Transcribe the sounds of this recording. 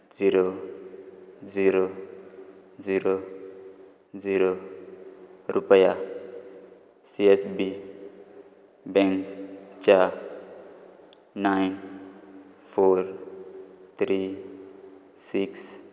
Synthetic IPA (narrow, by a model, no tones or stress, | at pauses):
ziɾo | d͡ziɾo | ziɾo | d͡ziɾo | ɾʔupəja | siesbi | bɛ̃ŋkt͡ʃa | najn | pʰoɾ | t̪ʰɾi | siks